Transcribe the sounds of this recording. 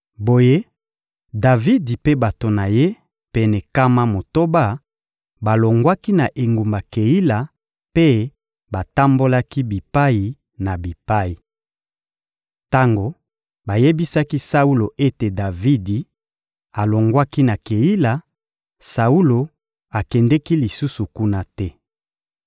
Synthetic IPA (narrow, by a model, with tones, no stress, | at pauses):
bo˨je˦ | da˨vi˦di˨pe˦ba˨to˨na˨je˦ | pɛ˨nɛ˨ka˦ma˦mo˨to˦ba˦˨ | ba˨lo˨ŋɡwa˦ki˦na˨ʔe˨ŋɡu˨mba˨ke˨i˦la˨ | pe˦ | ba˨ta˦mbo˦la˦ki˦bi˨pa˦ji˨ | na˨bi˨pa˦ji˨ | ta˦ŋɡo˨ | ba˨je˦bi˦sa˦ki˦sa˦u˦lo˨ʔe˦te˨da˨vi˦di˨ | a˨lo˨ŋɡwa˦ki˦na˨ke˨ji˦la˨ | sa˨u˦lo˨ | a˨kɛ˨ndɛ˦ki˦li˨su˦su˨ku˦na˦tɛ˦